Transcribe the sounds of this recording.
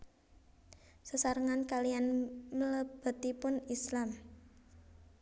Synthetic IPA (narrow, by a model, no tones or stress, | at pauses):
səsaɾəŋankalijanmələb̥ə̤t̪ipʊnislam